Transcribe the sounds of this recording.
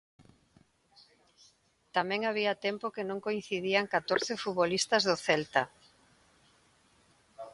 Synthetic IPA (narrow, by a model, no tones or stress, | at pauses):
t̪amɛ̃ŋaβiat̪ɛmpokɪnõŋkoinθiðiaŋkat̪oɾθɪfuβolist̪ɐzðʊθɛlt̪a